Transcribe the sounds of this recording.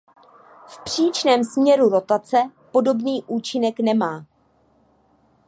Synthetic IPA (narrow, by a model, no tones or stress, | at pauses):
fpr̝̥iːt͡ʃnɛːmsmɲɛɾuɾo̞t̪at͡sɛpo̞do̞bniːʔuːt͡ʃɪnɛknɛmaː